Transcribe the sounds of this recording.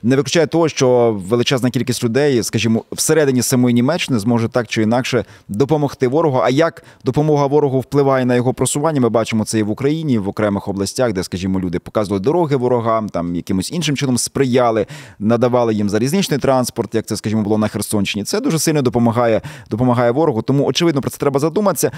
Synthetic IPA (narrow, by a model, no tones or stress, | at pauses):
nɛʋɪklʲʊt͡ʃɑjɛt̪ɔɦɔʃt͡ʃɔʋelˠɪt͡ʃɛznɐkʲilʲkʲisʲtʲlʲʊd̪ɛjskɐʒʲimɔwseɾɛd̪ɪnʲisɐmɔjinʲimɛt͡ʃːɪnɪzmɔʒʊt̪ɑkt͡ʃɔin̪ɑkʃɛd̪ɔpɔmɔxt̪ɪʋɔɾɔɦɔʔɐjɐkd̪ɔpɔmɔɦɐʋɔɾɔɦʊwplˠɪʋɑjɛnɐjɔɦɔpɾɔsʊʋɑnʲːɐmɪbɑt͡ʃɪmɔt̪sɛjiʋʊkɾɐjinʲiʋɔkɾɛmɪxɔblˠɐsʲtʲaxd̪ɛskɐʒʲimɔlʲud̪ɪpɔ̥kɑzʋlˠɪd̪ɔɾɔɦɪʋɔɾɔɦɑmt̪ɑmjɐkɪmʊsʲinʃɪmt͡ʃɪnɔmspɾɪjɑlˠɪnɐd̪ɐʋɑlˠɪjimzɐɾʲiznɪt͡ʃnɪjt̪ɾɑnspɔrt̪jɐkt̪sɛskɐʒʲimɔbʊlˠɔnɐxersɔnʲʃɪnʲit̪sɛd̪uʒɛsɪlʲnɔd̪ɔpɔmɐɦɑjɛd̪ɔpɔmɐɦɑjɛʋɔɾɔɦʊt̪ɔmuɔt͡ʃɪʋɪd̪ɔpɾɔt̪ɛt̪ɾɛbɐzɐd̪umɐt̪sʲːɐ